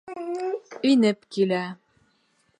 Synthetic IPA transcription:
ɵ̆jnɘpkilæ

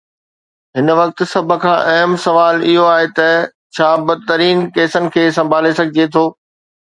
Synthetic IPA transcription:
ɦɪnʋɐk̚t̪̆sɐbʱəkʰãːʔɐɦəmsɐʋaːlɪɦoaːɦet̪ɐ | t͡ɕʰaːbɐd̪ɪt̪ɐɾiːnkeːsənɪ̆kʰeːsɐ̃mbʱaːlesɐɡʱɪd͡ʑet̪ʰoː

